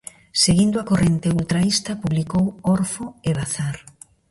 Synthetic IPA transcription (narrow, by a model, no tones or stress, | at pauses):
seɣind̪ʊakorent̪eult̪ɾaist̪ɐpuβlikowɔɾfoeβ̞aθaɾ